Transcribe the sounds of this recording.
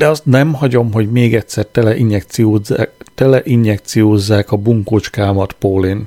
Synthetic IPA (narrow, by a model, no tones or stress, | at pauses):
d̪̥ɛɒst̪nɛmhɒɟo̞mɦo̞ɟmeːɡɛcsɛrt̪ɛlɛʔiɲjɛk̪iot̪ɛlɛʔiɲjɛk̚t̪sijoːzːaːkɒbuŋkoːt͡ʃkaːmɒt̪poːlin